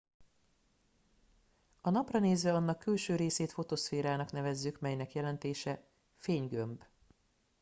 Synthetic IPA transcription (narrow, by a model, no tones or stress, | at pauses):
ɒnɒprɒneːzʋɛɒnːɒkːylʃøːɾeːseːt̪fo̞t̪osfeːɾaːnɒknɛvɛzːykmɛjnɛkjɛlɛnt̪eːʃɛ | feːɲɡømb